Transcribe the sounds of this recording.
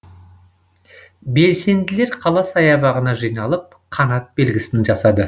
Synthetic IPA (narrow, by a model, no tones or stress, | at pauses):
be̞lse̞nd̪ɪle̞ɾqʰɑlˠɑsɑjɑbɑʁənɑʒijnɑlˠəp̚qʰɑnɑt̪̚be̞lɡʲɪsɪnʒɑsɑd̪ə